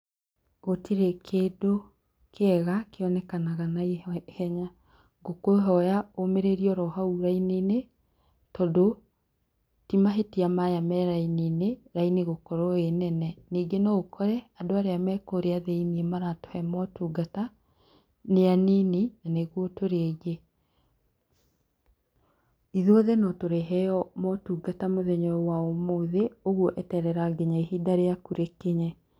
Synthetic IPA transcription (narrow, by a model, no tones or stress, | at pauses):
ɣotʰiɾekʰeːdo | kʰeɛɣakeɔnɛkanaɣanaihɛɲa | ɡokoɦɔjaomeɾeɾiɔɾɔɦauɾainene | tɔdo | timaɦetiamajamɛɾainineɾaineɣokɔɾɔenɛnɛniːɡenɔokʰɔɾɛadoaɾeamɛkoɾeaðeiniɛmaɾato̥hɛmɔtuːɡata | neaniːninaneɣwɔtoɾeeɡe | iðoðɛnɔtoɾeɦɛɔmɔtuːɡatamoðɛɲɔɔwaomoːðeoɣwɔʔɛtɛɾɛɾaɡɛɲaiɦidaɾeakuɾekeɲɛ